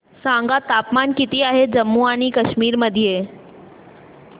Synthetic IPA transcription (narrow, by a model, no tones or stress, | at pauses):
sãŋɡat̪aːpmaːnkɪt̪iaːɦed͡ʑəmːuaːnikəʃmiːɾməd̪ʱije